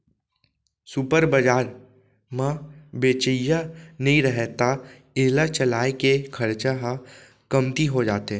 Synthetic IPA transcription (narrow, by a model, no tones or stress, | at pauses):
supəɾbəd͡ʒaːɾ | mãbeːt͡ʃəjanɐɦĩɾəɦɛt̪a | eːlat͡ʃɐlaːekekʰɐɾt͡ʃaɦa | kɐmt̪iɦod͡ʒaːt̪e